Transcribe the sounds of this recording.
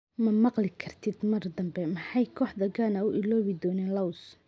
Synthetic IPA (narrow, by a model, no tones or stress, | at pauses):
mɐmɑqlɪkʰɐrt̪ʰɪd̪mɐrd̪ɐmbɛmɑħɑjkʰɔːħd̪ɐɡanɐʊʔɪlɔːβɪd̪ɔːnɛːnlɐws